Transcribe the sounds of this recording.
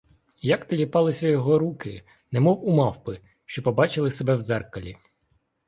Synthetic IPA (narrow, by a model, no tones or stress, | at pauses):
jɐkt̪ɪlʲipɑlˠɪsʲɐjɔɦɔɾukɪ | nɛmɔwumɑwpɪ | ʃt͡ʃɔpɔbɑt͡ʃɪlˠɪsebɛwzɛrkɐlʲḭ